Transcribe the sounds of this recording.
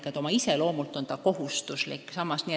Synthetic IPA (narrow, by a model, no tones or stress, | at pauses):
kɑt̪o̞mɑise̞lo̞ːmult̪ˑo̞nt̪ɑko̞ɦust̪uslḭkːsɑmːɑsniːe